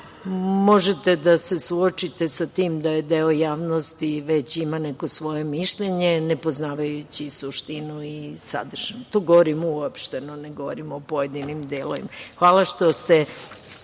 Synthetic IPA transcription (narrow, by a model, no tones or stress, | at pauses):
mo̞ʒet̪ed̪ase̞suot͡ʃit̪e̞sat̪iːmd̪ajed̪eojaːʋnost̪iʋet͡ɕimaneko̞sʋo̞je̞miʃʎeɲenepoznaːʋajut͡ɕisuʃt̪inuisa̰d̪r̩ʒ̥ant̪o̞ːɡoʋoɾimuopʃt̪enoneɡoʋoɾimopoje̞d̪inimd̪elo̰ʋḭmaxʋaːlˠaʃt̪o̞st̪e